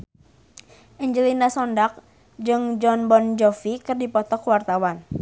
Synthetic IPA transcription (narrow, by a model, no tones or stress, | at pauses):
ʔɛɲd͡ʒəlinasɔndak̚ | d͡ʒɨŋd͡ʒɔnbɔnd͡ʒɔfikɨrdipɔt̪ɔkwart̪awan